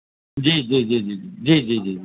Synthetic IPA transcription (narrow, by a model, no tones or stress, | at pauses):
d͡ʑiːd͡ʒiːd͡ʒiːd͡ʒiːid͡ʒiːd͡ʒiːd͡ʒiːi